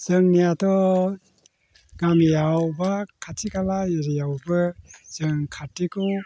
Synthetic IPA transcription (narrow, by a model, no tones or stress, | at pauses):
z̥ɯŋnijatʰɔ | ɡ̥amjawbakʰatʰikalajiɾijawbɯz̥ɯŋkʰatːikʰɔw